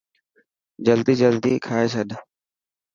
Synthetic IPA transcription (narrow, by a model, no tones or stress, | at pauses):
d͡ʒəld̪iːd͡ʒəld̪iːkʰaːeːt͡ʃʰəɗ